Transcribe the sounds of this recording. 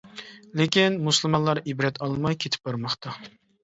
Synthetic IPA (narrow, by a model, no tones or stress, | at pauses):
lekʲinmuslˠmɑnlˠɑɾibɾɛt̪ʰɑlˠmɑjkʲʰet̪ʰɪ̥p̚bɑɾmɑχt̪ʰɑ